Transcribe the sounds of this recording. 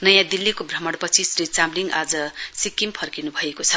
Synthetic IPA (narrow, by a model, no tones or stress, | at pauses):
nʌjãd̪ilːikobrʌmʌɽpʌt͡sʰisrit͡samliŋɡad͡zʌsikːimpʰʌrkinubʱʌekot͡sʰʌ